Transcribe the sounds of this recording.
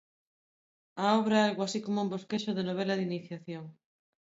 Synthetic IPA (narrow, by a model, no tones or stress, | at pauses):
aɔβɾaealɣwoasikomoumboskeʃoðenoβ̞elɐðiniθjaθjoŋ